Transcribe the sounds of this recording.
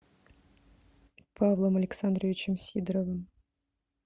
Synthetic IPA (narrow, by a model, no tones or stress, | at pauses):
pʰɑvlˠəmɐlʲɪksand̪ɾəvʲɪt͡ɕɪmsʲid̪ɾəvɨm